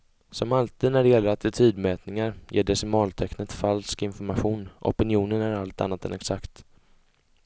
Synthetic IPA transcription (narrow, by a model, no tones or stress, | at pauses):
sɔmalt̪ʰiːd̪næɖɛjɛlːəɾat̪ɪt̪ʰyːd̪mɛːt̪nɪŋaɾjʔeːɖ̪ɛsɪmɑːlt̪ʰɛknət̪falskɪnfɔɾmaɧuːnʔɔ̰pɪnɪuːnənæɾalt̪a̰nːat̪ɛ̰nɛksakt̪